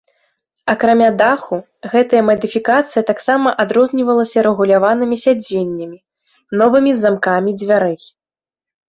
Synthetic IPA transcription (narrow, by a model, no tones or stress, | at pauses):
ɐkɾamʲad̪axu | ɣɛt̪ɐjɐmɐd̪ɨfʲikat̪sɨjɐt̪aksamɐʔad̪ɾɔzʲnʲivɐlˠɐsʲɐɾɛɣulʲavanɨmʲisʲad͡zʲenʲːɐmʲi | nɔvɨmʲizamkamʲid͡zʲvʲaɾɛj